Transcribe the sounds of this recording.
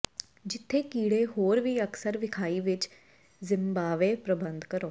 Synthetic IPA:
d͡ʒɪt̪ʰːeːkiːɽeːɦoːɾʋiːəksəɾʋɪkʰaːiːʋɪt͡ʃ | zɪmbaːʋeːpɾəbənd̪kəɾoː

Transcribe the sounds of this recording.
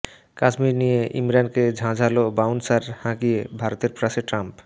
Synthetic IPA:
kad͡ʒmiɾnijeʔḭmɾanked͡ʑʱãd͡ʑʱalobawnsaɾhãkiebʱaɾot̪eɾpɾaseʈɾamp

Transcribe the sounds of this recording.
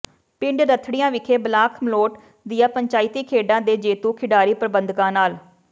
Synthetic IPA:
pɪ̃ɳɖɾət̪ʰɽɪjãːʋɪkʰeːblaːkʰmloːʈ | d̪ɪjãːpəɲt͡ʃaːɪt̪iːkʰeːɖãːd̪eːd͡ʒeːt̪uːkʰɪɖaːɾiːpɾəbənd̪kãːnaːl

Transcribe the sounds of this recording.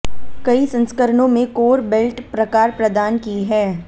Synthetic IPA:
kɐisɐ̃nskəɾɳõmẽkoːɾbelʈpɾɐkaːɾpɾɐd̪aːnkiɦɛː

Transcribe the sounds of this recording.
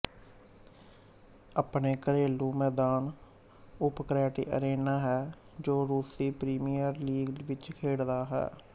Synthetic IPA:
əpneːkəɾeːluːmɛːd̪aːn | ʊpkɾɛːʈḭːʔə̰ɾeːnaːɦɛː | d͡ʒoːɾuːsiːpɾiːmijəɾliːɡʋɪt͡ʃkʰeːɽd̪aːɦɛ̰ː

